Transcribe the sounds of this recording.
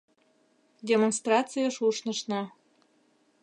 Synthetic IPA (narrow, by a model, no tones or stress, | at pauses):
dʲemonst̪rɑt͡sɨjəʃuʃnəʃnɑ